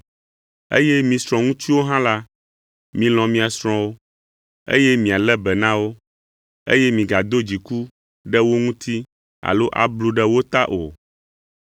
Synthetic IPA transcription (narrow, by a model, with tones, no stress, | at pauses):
ḛ˦jɛ˦mĩ˨sɾɔ̃˨ŋũ˦t̪i˦wo˦ɦã˦la˦ | mĩ˨lɔ̃˨mĩ˦a˨sɾ̃ɔ̃˦wo˦ | ḛ˦jɛ˦mĩ˨a˨lɛ˦bɛ˨nã˦wo˦ | ḛ˦jɛ˦mĩ˨ɡa˨d̪o˦d͡ʑi˨ku˦ | ɖɛ˦wo˦ŋũ˦t̪ʰi˦ | a̰˨lo˦ʔa̰˨blu˨ɖɛ˦wo˦t̪a˦ʔo̰˨